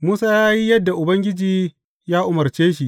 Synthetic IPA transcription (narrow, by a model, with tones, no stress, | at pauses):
muː˦saː˦jaː˦ji˦jɐ˦dːa˨ʔʊ˨bɐ˦ŋɡʲɪ˦d͡ʒiː˨ | jaː˦ʔʊ˨mɐ˨rt͡ʃeː˦ʃ̬i˦˨ʔ